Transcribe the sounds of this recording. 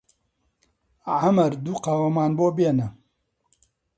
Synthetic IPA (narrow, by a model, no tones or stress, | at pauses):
ʕamɐɾd̪uːqaːwɐmaːnboːbeːnɐ